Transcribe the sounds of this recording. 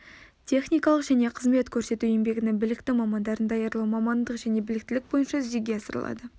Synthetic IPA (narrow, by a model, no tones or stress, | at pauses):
t̪ʲʰe̞χnijkɑlˠəqʒæne̞qʰəzme̞t̪kʲʰɵɾse̞t̪ujembe̞ɡʲɪnɪŋbɪlɪkt̪ɪmɑmɑnd̪ɑɾənd̪ɑjɑɾlˠumɑmɑnd̪əqʒæne̞bɪlɪk̚t̪ɪlɪk̚bo̞jənʃɑɪzd̪eɡʲe̞ɑsəɾə̰lˠɑ̰d̪ə